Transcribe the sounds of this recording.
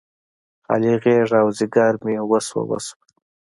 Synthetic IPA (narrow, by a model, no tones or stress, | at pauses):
a̰liɣeʐawziɡaɾmiwəswa̰wa̰swa